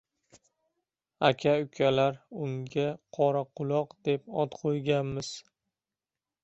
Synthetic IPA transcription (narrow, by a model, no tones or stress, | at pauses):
akʲʰaʊkʲʰalaɾʊŋɡʲaqʰɒɾaqʰʊlˠɒqd̪e̞pɒt̪qʰojɡʲanmɪz̥